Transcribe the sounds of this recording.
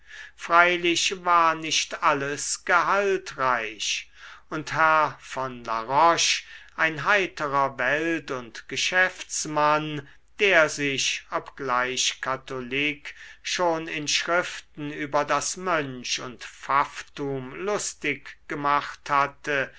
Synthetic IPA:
fʁ̥aɪlɪɕvaːɐnɪʃtaləsɡ̥əɦaltʁaɪɕʊnthɛɐfɔnla̰ʁɔʃʔaɪnɦaɪtəʁɐvɛltʊntɡ̥əʃɛft͡sman | d̥eːɐzɪɕʔɔpɡ̥laɪɕkʰatoliːkʃoːnɪnʃʁɪftn̩yːbɐdasmœnʃʊntfaftuːmlʊstɪkɡ̥əmaχthatə

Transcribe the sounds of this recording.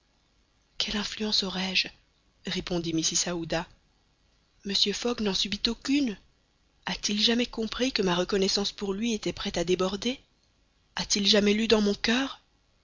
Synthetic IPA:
kʰɛlɛ̃flyɑ̃sɔʁɛʒ | ʁepɔ̃d̪imisisaud̪a | məsjøfɔɡnɑ̃sybit̪okʲyn | at̪ilʒamɛkɔ̃pχikəmaʁəkɔnɛsɑ̃spuʁlɥiet̪ɛpχɛt̪ad̪ebɔʁd̪e | at̪ilʒamɛlyd̪ɑ̃mɔ̃kœːʁ

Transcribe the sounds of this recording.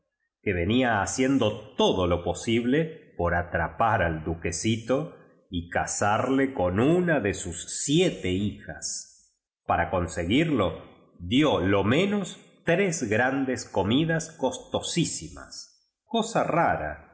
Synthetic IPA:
ke̞βe̞niaːsje̞nd̪o̞t̪o̞ðolo̞po̞siβlepo̞ɾat̪ɾapaɾald̪uke̞sit̪o̞ | ikasaɾle̞ko̞nunaðe̞susːjet̪eixa̰s | paɾako̞nse̞ɣiɾlo̞ | ðjolo̞mẽ̞nos | t̪ɾezɣɾand̪e̞sko̞miðaskost̪o̞sisima̰s | ko̞saraɾa̰

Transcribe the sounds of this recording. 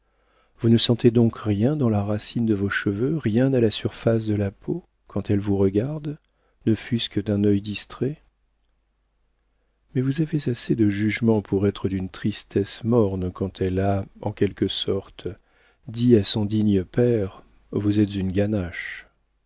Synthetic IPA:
vunəsɑ̃t̪ed̪ɔ̃kʁjɛ̃d̪ɑ̃laʁasind̪əvoʃəvøʁjɛ̃nalasyʁfas̬d̪əlapʰo | kʰɑ̃t̪ɛlvuʁəɡaʁd̪ | nəfyskəd̪ɛ̃nœjd̪ist̪χɛ | mɛvuzavezased̪əʒyʒmɑ̃pʰuʁɛt̪χəd̪ynt̪χist̪ɛsmɔʁnkɑ̃t̪ʰɛlaɑ̃kʲɛlkəsɔʁt̪ | d̪iasɔ̃d̪iɲəpɛʁ | vuzɛt̪zynɡanaʃ

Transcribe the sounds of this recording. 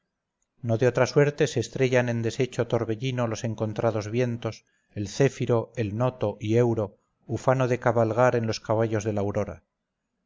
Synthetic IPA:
no̞ðeo̞t̪ɾaswe̞ɾt̪e̞seːst̪ɾe̞ʝane̞nd̪e̞se̞t͡ʃot̪o̞ɾβe̞ʎino̞lo̞se̞ŋko̞nt̪ɾʔað̞o̞zβje̞nt̪o̞s | elθe̞fiɾo̞e̞lno̞t̪o̞ʔie̞wɾo̞ | ufano̞ðe̞kaβalɣ̞aɾe̞nlo̞skaβ̞aʎo̞zðe̞lawɾo̞ɾa̰

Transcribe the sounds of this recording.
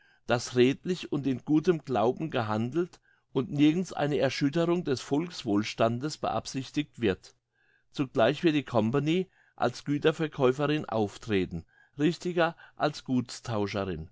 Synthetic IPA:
d̥asʁeːtlɪçʊntɪnɡuːtəmɡlaʊbm̩ɡəɦandl̩t | ʔʊntnɪɐɡn̩sʔa̰ɪnəɛɐʃʏtəʁʊŋdɛsfɔlksv̥oːlʃtandəsb̥ə̰ʔa̰psɪçtɪk̚tv̥ɪɐt | t͡suɡlaɪçv̥ɪɐt̚d̥iːkʰɔmpaniː | ʔa̰lsɡ̥yːtɐfɛɐkʰɔʏfəʁɪnʔa̰ʊftʁ̥eːtn̩ | ʁɪçtɪɡɐʔalsɡ̥uːtstʰaʊʃəʁɪn

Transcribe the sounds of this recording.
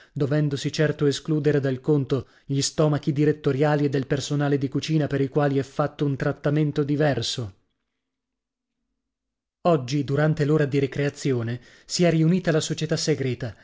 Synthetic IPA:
d̪ovɛnd̪osit͡ʃɛrt̪oeskluːd̪eɾed̪alkont̪o | ʎist̪ɔːmakid̪iɾet̪ːoɾjaːlied̪ːelpersonaːled̪ikut͡ʃiːnapeɾikwaːliɛfːat̪ːount̪ɾat̪ːament̪od̪ivɛrso | ɔd͡ʒːid̪uɾant̪eloːɾad̪iɾekɾeat̪sːjoːne | siɛrːiuniːt̪alasot͡ʃet̪asːeɡɾɛːt̪a

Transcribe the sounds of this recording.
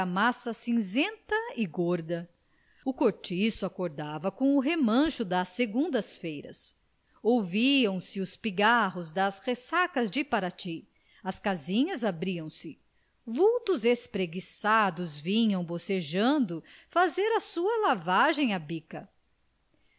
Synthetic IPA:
masɐsĩzẽnt̪ɐɪɡoɾd̪ɐ | ʊkoɾt͡ʃisʊakoɾd̪avɐkõʊɦemɐ̃ʃʊd̪ɐsːeɡũnd̪ɐsfejɾɐ̰s | owviɐ̃w̃sɪʊspiɡaɦʊzd̪ɐshesakɐzd͡ʒɪpaɾat͡ʃi | ɐskazĩɲɐzabɾiɐ̃w̃sɪ | vuwt̪ʊzespɾeɡisad̪ʊzvĩɲɐ̃w̃boseʒɐ̃nd̪ʊfazeɾɐsuɐlavaʒẽj̃abikɐ

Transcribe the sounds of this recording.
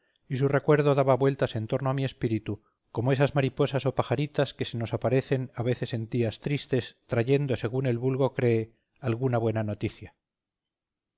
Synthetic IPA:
is̬ure̞kwe̞ɾð̞o̞ðaβaβwe̞lt̪ase̞nt̪o̞ɾnoamie̞spiɾit̪u | ko̞moe̞sazmaɾipo̞saso̞paxaɾit̪aske̞se̞no̞sapaɾe̞θe̞naβe̞θe̞se̞nt̪iast̪ɾist̪e̞st̪ɾaʝe̞nd̪o̞se̞ɣune̞lβulɣo̞kɾe̞ː | alɣunaβwe̞nano̞t̪iθja

